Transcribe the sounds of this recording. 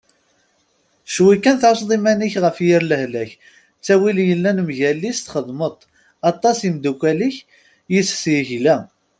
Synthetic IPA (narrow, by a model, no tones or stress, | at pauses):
ʃwikːænθsðˤimæniçʁəfjiɾləhlæç | t͡sːæwiljəlːænəmʝælːist̪χəðˤmət̪ˤ | ɑt̪ˤːɑsimd̪ukʷæliç | jisθjiçlæ